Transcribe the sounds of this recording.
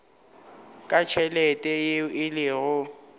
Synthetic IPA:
kʼat͡ʃʰɛlɛtʼɛɪlɪɣʊ

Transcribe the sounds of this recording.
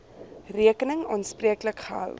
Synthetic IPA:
riəkənəŋɔ̰nspriəkləkχəɦə̰lˠ

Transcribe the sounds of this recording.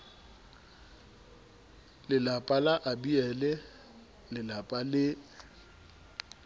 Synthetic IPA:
lɪlapʼalaʔabiɛlɛ | lɪlapʼalɪ

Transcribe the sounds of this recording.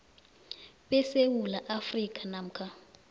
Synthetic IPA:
ɓɛsewulaʔafrikʼanam̩kʰʼa

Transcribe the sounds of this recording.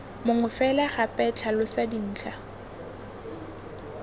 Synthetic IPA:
mʊŋʊfɛlaχapʼɛt͡ɬʰalʊsadin̩ːt͡ɬʰʼa

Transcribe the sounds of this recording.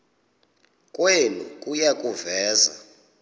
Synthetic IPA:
kʼwelṵkʼujakʼuvɛːza̰

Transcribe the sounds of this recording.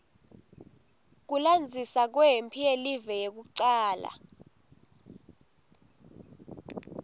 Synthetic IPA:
k̬uland͡zʱisak̬wɛempʰielivɛjek̬uǀaːla̰

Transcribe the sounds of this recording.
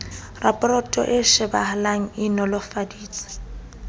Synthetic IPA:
rapʼɔrɔtʼɔ̰ʔɪʃɪbahalaŋ̩ɪnɔlɔfadiːt͡sʼḁ

